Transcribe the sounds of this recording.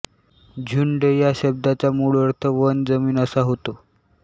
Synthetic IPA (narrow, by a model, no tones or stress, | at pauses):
d͡ʑʱuɳɖəjaɕəb̚d̪at͡ɕamuɭʋəɾt̪ʰəʋənd͡zəmiːnəsaɦot̪o